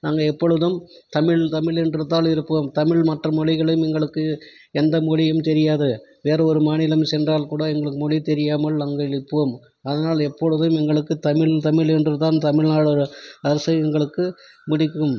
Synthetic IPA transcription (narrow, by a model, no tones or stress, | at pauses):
naːŋɡɐɛpːɔɻɯðɯm | t̪ɐmɪɭt̪ɐmɪɭɛndrɯt̪ːaːlɪɾɯpːoːmt̪ɐmɪɭmɐʈrɐmɔɻɪɣɐɭɐjɯmɛŋɡɐɭɯkːɯ | ɛnd̪ɐmɔɻɪjɯmt̪ɛɾɪjaːðɯʋeːɾɐɔɾɯmaːnɪlɐmsɛndraːlkuːɽɐɛŋɡɐɭɯkːɯmɔɻit̪ɛɾɪjaːmɐlnaːŋɡɐɪɾɯpːoːm | ɐðɐnaːlɛpːɔɻɯðɯmɛŋɡɐɭɯkːɯt̪ɐmɪɭt̪ɐmɪɭɛndrɯt̪aːnt̪ɐmɪɭnaːɭɔɾɯɐɾɐsɐɪɛŋɡɐɭɯkːɯ | mʊɽɪkːɯm